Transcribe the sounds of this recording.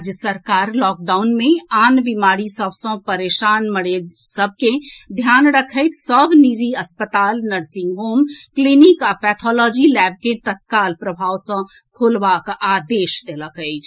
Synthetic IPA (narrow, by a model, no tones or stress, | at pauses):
d͡ʒəsəɾkaɾlɔk̚ɖawnmeanʋimaɽisəbʱsə̃pəɾeʃanməɽed͡ʒsəb̚ʱked̪ʱjanɾəkʰəɪt̪səbʱnid͡ʒiəspət̪alnəɾsĩŋɡɦomklinikapɛt̪ʰɔlɔd͡ʒilɛb̚ket̪ət̪̚kalpɾəbʱawsə̃ | kʰolbakad̪eʃd̪eləkəɪt͡ʃʰ